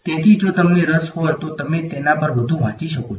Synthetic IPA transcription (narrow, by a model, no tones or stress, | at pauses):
t̪et̪ʰid͡ʒot̪əmneɾəshojt̪ot̪əmet̪enapəɾʋəd̪ʱũʋãt͡ʃiʃəkot͡ʃʰ